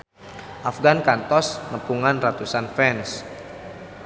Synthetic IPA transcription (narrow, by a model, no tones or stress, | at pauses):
ʔafɡankant̪ɔsnəpuŋanrat̪usanfɛns